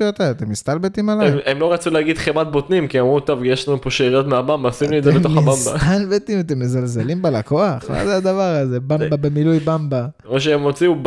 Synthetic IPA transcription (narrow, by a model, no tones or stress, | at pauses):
ot̪aat̪e̞mist̪albet̪imalaemlo̞ʁat͡suleaɡid̪χemat̪̚bot̪nimkiamʁut̪o̞vjeʃlanupoʃeʁjot̪meabambasimlied̪zebeoχabambaalbet̪imat̪̬e̞mːezalzelimbelako̞aχma̰zead̪avaʁazebambabemilujbamba | oʃ̬eemot͡siu